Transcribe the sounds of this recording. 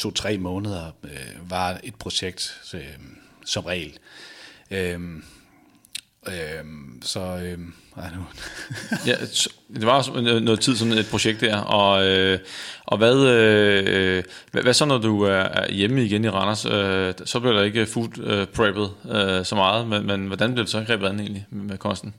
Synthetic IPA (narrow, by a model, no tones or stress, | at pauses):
t͡sʰo̝̰ːt͡sʰʁɛ̰ːmɔ̽ːnəð̞ˠɐʋɑ̈e̝d̥̚pʰʁo̝ɕeɡ̥̚d̥ | sɒ̽mʁɛ̰ːl | ø | øsɒ̽ø | ɑnu | jæd̥e̝ʋɑ̈snɔ̽ːð̩ˠt͡sʰiðˠsɒ̽ne̝d̥pʰʁo̝ɕeɡ̥d̥ːæɐ̰ɒ̽øʔɒ̽ʋæðˠø | ʋæsɒ̽nɒduæɐɐæ̰ɐjeməiɡ̥eniʁɑ̈nɐsød̥sɒ̽b̥liɐɾ̥ɑ̈e̝ɡ̥əfud̥øpʰʁɛb̥ð̩ˠøsɒ̽mɑ̈ːð̩ˠmenmenʋɒd̥ænb̥liɐ̥e̝sɒ̽ɡ̥ʁɛ̰ːb̥ð̩ˠæ̥n̩e̝̰ːnlimmekʰɒ̽nsd̥n̩